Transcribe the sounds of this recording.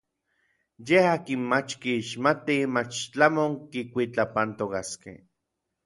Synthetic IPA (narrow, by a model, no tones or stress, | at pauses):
jehaːkinmat͡ʃkiːʃmat̪imat͡ʃt͡ɬamoŋkikʷit͡ɬapant̪okaskḛh